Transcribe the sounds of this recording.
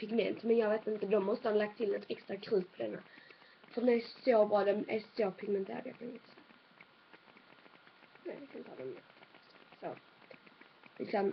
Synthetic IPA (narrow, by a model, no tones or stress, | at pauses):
pʰɪɡmɛ̰nt̪mɛnjɑːɡveːt̪ɪnt̪əd̪ɔmːɔst̪əhanlak̚t̪̚t̪ʰɪlnɔt̪ʰɛkst̪ɾakʰɾʉ̟ːt̪̚pʰɔd̪ɛnːa̰ | fœd̪ɛnɛsobɾɑːd̪ɛnæsopʰɪɡmɛnt̪ʰḛːɾa̰d̪a̰pʰɔnɪt̪sɛ | nɛlɪkʰaɪnt̪əhɑ̰d̪ɛmɛst̪so | lɪ̰ksɔm